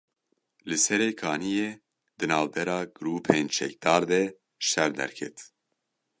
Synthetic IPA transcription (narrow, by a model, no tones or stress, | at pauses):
lɨsɛɾeːkʰɑːnijeː | d̪ɨnɑːvbɛɾɑːɡɨɾuːpʰent͡ʃʰɛ̰k̚d̪ɑːɾd̪ɛ | ʃɛɾd̪ɛ̰ɾkʰɛt̪